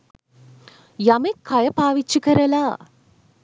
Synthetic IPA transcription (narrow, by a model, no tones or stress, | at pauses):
jamekʰːɐjɐpaːʋit͡ʃːukɐɾɐla